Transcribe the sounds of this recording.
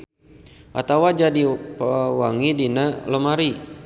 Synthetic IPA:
ʔa̰t̪awad͡ʒadipawaŋidinaləmaɾi

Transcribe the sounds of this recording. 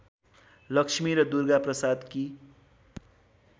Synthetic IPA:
lʌksʰmiɾʌd̪urɡaprʌsad̪ki

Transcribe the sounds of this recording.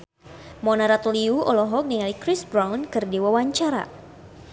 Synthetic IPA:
mɔnaɾat̪uliuɔlɔɦɔk̚niŋalikɾisbɾawnkɨrdiwawaɲt͡ʃaɾa̰

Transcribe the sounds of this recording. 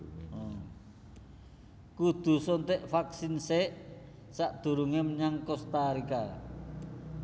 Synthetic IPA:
kud̪̥ṳsɔnt̪eʔfaksinseʔ | saʔd̪̥ṳɾuŋemɲaŋkɔst̪aɾika

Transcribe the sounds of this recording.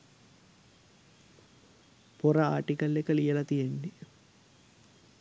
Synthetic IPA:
poɾɐaːʈikəlːekəlijəlɐt̪ijenːe

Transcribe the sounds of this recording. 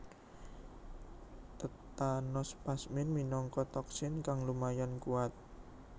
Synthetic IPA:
t̪ət̪anɔspasmɪnminɔŋkɔt̪ɔksɪnkaŋlumajankuwat̪̚

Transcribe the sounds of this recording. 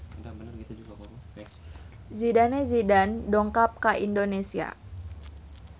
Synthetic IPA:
zidanezidandɔŋkap̚kaʔindonesia̰

